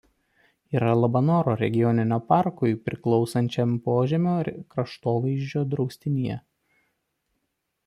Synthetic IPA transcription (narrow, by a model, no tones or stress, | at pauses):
iːɾɐlˠɐbɐnoːɾoːɾʲɛ̰ɡʲɪjɔnʲɪnʲoːpɑˑɾkʊɪpʲɾʲɪklˠɒʊsɐnʲt͡ʃʲɛmpoːʒʲɛmʲoːɾkɾɐʃt̪oːʋɐɪʒʲd͡ʒʲoːd̪ɾɒʊsʲt̪ʲɪnʲijɛ̰